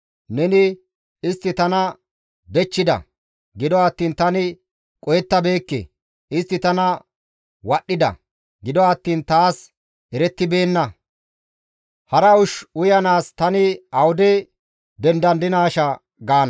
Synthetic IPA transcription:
nɛnɪ | ɪst̪ːɪt̪ɐnɐ | b̪ɛt͡ʃːɪd̪ɐ̰ | ɡɪd̪ɔɐt̪ːiːnt̪ɐnɪ | kʼɔjɛt̪ːɐbe̞ːkːḛ | ɪst̪ːɪt̪ɐnɐ | wɐɗːɪd̪ɐ̰ | ɡɪd̪ɔɐt̪ːiːnt̪aːs | ɛɾɛt̪ːɪbe̞ːnːɐ | hɐɾɐʊʃʊjɐnaːst̪ɐnɪɐwʊd̪ɛ | d̪ɛnd̪ɐnd̪ɪnaːʃɐ | ɡaːnɐ

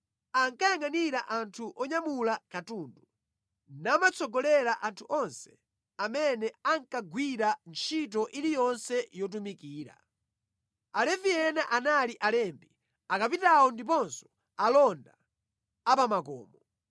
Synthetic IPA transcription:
aŋkajaŋaniɾaʔantʰuʔɔɲamulakatuːndu | namat͡sʰɔɡɔlɛɾaʔantʰuʔɔnsɛ̥ | amɛnɛaŋkaɡwiɾant͡ʃʰit̬ɔʔilijɔnsɛjɔt̬umikiːɾa̰ | alɛvijɛnaʔanaliʔalɛmbi | akap̬itawɔndip̬ɔnsɔ̥ | alɔnda | apamakɔ̰ːmɔ

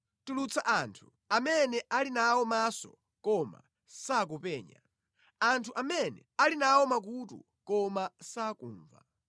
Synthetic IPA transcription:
tulut͡sʰaʔantʰu̥ | amɛnɛʔalinawɔmasɔ̰ | kɔma̰ | sak̬upɛːɲa̰ | antʰuʔamɛnɛ̰alinawɔmak̬utṵ | kɔmasakuːɱva̰

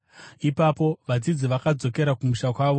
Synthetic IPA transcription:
ipapo̞ʋad͡zid͡ziʋakad͡zo̞ke̞ɾakumuʃakwaːʋo

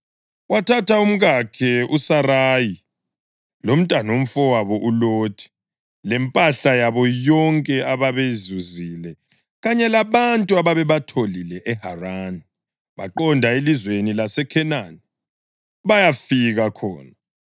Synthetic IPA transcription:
watʰatʰaum̩ɣakʰɛusaɾaji | lom̩tʼanom̩fɔwaβɔʔuloːtʰi̥ | lɛmpʼaɬajaβɔjɔŋkʼɛaβaβezuzilɛ | ɣaɲɛlaβantʼuaβaβɛβatʰolilɛʔɛharaːni | βaǃɔndʱaelizwenilasɛkʰɛnani | βajafiɣakʰɔ̰ːna

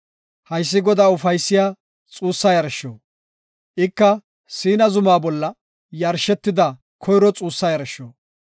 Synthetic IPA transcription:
hɐjs̬ːɪɡɔd̪aːʊfɐjsːɪjaː | t͡sʼuːsːɐjɐɾʃːo̰ː | ʔɪkːɐ | siːnɐzʊmaːbɔlːɐ | jɐɾʃɛt̪ːɪd̪ɐ | kʰɔjɾɔt͡sʼuːsːɐjɐɾʃːoː

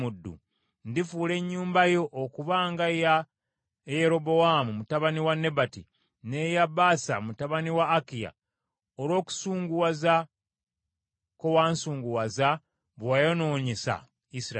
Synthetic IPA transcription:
mudːṵ | ndifuːle̞ɲːuːmbajo̞ʔːkuβaŋɡaja | jeɾo̞bowamumutaβaniwanːe̞bati | nejabaːsa̰mutaβaniwaːkija̰ | oɾo̞ːku̥suːŋɡuwaza | ko̞waːnsuːŋɡuwaza | βwajono̞ːɲesa̰ | isiɾa

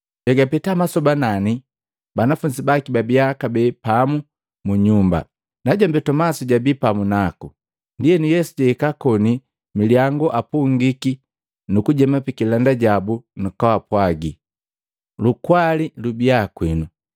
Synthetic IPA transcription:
ɟaɡapɛtamasɔbanani | banafuɲd͡ʒibakibabiakabɛpamu | muɲumba̰ | naɟambɛtɔmasuɟabipamunaku | ndijɛnijɛsuɟɛikakɔni | miliaŋɡɔʔapuŋɡiki | nukuɟɛmapikilandaɟabunukawapwaɡi | lukwalilubiakwinu

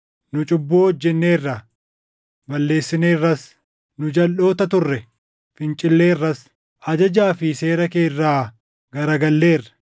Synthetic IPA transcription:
nʊt͡ʃʼʊbːuːhɔd͡ʒːɛnːe̞ːrːɐ | bɐlːe̞ːsːɪne̞ːrːɐs | nʊd͡ʒɐlʔo̞ːt̪ɐt̪ʊrːɛ | fɪnt͡ʃʼɪlːeːrːɐs | ʔɐd͡ʒɐd͡ʒaːfɪse̞ːɾɐke̞ːrːaː | ɡɐɾɐɡɐlːe̞ːrːɐ̥

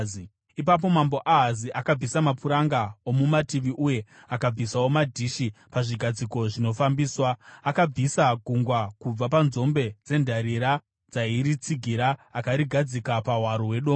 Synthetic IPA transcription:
ipap̬o̞mambo̞ʔaɦaziʔakab͡visamapuɾaŋɡaomumatiʋiʔuje̞akab͡visawo̞madʱiːʃipaʐiɡʱad͡ziko̞ʐino̞fambiːswaːkab͡visaɡʱuŋɡwakub͡vapanzo̞mbe̞d͡ze̞ndʱaɾiɾa | d͡zaiɾit͡siɡʱiɾaːkaɾiɡʱad͡zikapaɦwaɾoɦwe̞ɗoː

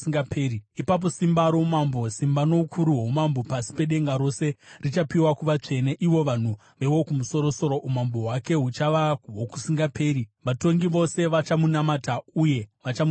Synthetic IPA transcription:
ŋɡapʰeːɾiipap̬o̞simbaɾo̞mambo̞simbano̞ukʰuɾuɦomambo̞pasi̥pe̞ɗe̞ŋɡaɾo̞se̞rit͡ʃapiwakuʋat͡ʂe̞neʔiʋo̞ʋan̤u | ʋe̞wo̞kumuso̞ɾo̞so̞ɾo̞ʔumambo̞wake̞ɦut͡ʃaʋaɦoku̥siŋɡapʰe̞ːɾiʋato̞ŋɡiʋo̞se̞ʋat͡ʃamunamatauje̞ʋat͡ʃam

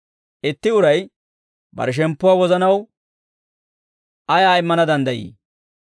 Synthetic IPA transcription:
ʔɪt̪ːɪʊɾɐj | bɐ̰ɾʃ̬ɛmpːʊaːwɔzɐnɐw | ɐjaːɪmːɐnɐd̪ɐnd̪ɐjḭː

